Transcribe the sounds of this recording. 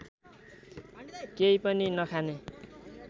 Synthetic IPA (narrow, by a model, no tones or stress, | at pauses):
kejpʌninʌkʰane